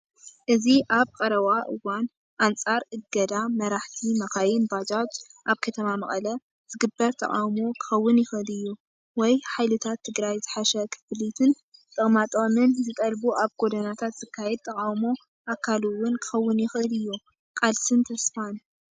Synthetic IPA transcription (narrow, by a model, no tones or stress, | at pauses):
ʔɨziʔaβkʼɐɾɐβaʔɨwan | ʔant͡sʼaɾʔɨɡɐd̪amɐɾaħt̪ʰimɐxajɪnbad͡ʒat͡ʃʔaβkʰɐt̪ʰɐmamɐkʼɐlɐ | z̥ɨɡɨbːɐɾt̪ʰɐ̰kʼawmukʰɨ̥xɐwːʊnjɪxʔɨlɨjːu | wɔjħajlɨt̪ʰat̪ʰːɨɡɾajzɨħaʃɐkʰɨ̥fɨlit̪ʰɨn | t̪ʼɨχʼmat̪ʼomɨnzɨt̪ʼɐlbuʔaβɡo̞d̪ɐnat̪ʰat̪z̥ɨkʰːajɛd̪̚t̪ʰʼɐkʼawmo | ʔakʰaluwʊnkʰɨ̥xɐwːʊnjɪxʔɨlɨjːu | kʼalsɨnt̪ʰɐsfan